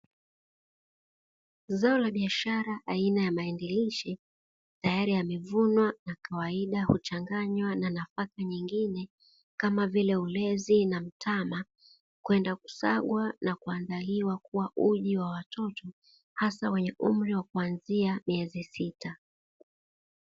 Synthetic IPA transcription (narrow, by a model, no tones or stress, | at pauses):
zaɔlaɓiaʃaɾaʔainajamaɛndɛliʃi | tajaɾiamɛvunwanakawaiɗahut͡ʃaŋɡaɲwananafakaɲiŋɡinɛ | kamavilɛulɛzinam̩tʰama | kwɛndaku̥saɠwanakuandaliwakuwaʔuʄiwawatʰɔtɔ | hasawɛɲɛʔum̩ɾiwakuanziamiɛzisita